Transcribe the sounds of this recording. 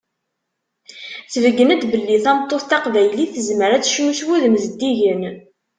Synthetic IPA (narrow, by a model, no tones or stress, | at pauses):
θvəɡːənæt̪bəlːiθæmət̪ˤːoθt̪ɑqvæjliθəzməɾæt͡sːʃmuʃwuðəmzəd̪ːiʝən